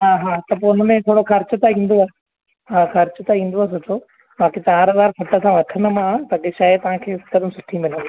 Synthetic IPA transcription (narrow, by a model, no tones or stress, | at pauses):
ɦaːɦaːt̪ɐpoʊnəmẽt̪ʰoːɽoxɐɾt͡ɕʊt̪aĩːn̆d̪oaːɦ | ɦaːxɐɾt͡ɕʊt̪ɐĩːn̆d̪oaːs̬ʊʈʰo | baːket͡ɕaːɾɐzaːɾfʰɐʈəsãʋɐʈʰənə̆mãːpɐɠeʃaːɪt̪ɐʋ̤ãkʰeːsɐkʰəd̪əmsʊʈʰimɪlən